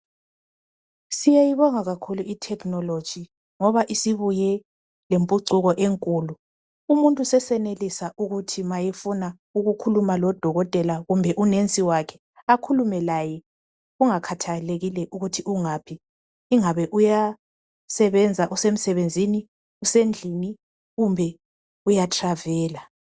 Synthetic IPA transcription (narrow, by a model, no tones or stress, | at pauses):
sijajiβɔŋaɣakʰuluitʰɛkʰnɔlod̥ʒ̥ʱi | ŋɔβaʔisiβujɛ | lempʼuǀuɣɔʔeŋkʼuːlu | umuntʼusɛsɛnelisaʔuɣutʰimajɛfuna | uɣukʰulumalɔd̥ʱɔɣɔtʼɛlaɣumbʱɛʔunent͡sʼiwakʰɛ̥ | akʰulumɛlajɛ | ɣuŋakʰatʰaleɣilɛʔuɣutʰiʔuŋaːpʰiː | ŋaβɛʔuja | sɛβɛnd͡zʱaʔusem̩sɛβend͡zʱini | usend͡ɮʱini | ɣumbʱɛ | ujatʰravɛːla